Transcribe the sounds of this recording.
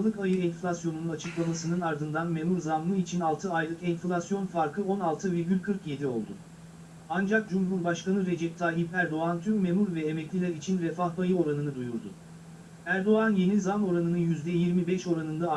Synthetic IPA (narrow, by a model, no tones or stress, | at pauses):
lˠɯkajɯɛnflʲasjo̞nunuat͡ʃʰɯklˠamasɯnɯnaɾd̪ɯnd̪anme̞muɾzamlˠɯit͡ʃʰinalˠt̪ʰɯajlˠɯkɛnflʲasjo̞nfaɾkʰɯo̞nalˠt̪ʰɯviɾɡʲylʲkʰɯɾkje̞d̪io̞lˠd̪ʊ | and͡ʒak̚d͡ʒumɦuɾbaʃkanɯɾe̞d͡ʒɛp̚t̪ʰaːɦipæɾd̪o̞ant̪ʰymːemuɾvɛemɛclʲilʲæɾit͡ʃʰinvɛfaɦbajɯo̞ɾanɯnɯd̪ujuɾd̪ʊ | æɾd̪o̞anje̞nizamo̞ɾanɯnɯjyzd̪ɛjiɾmibɛʃo̞ɾanɯnd̪a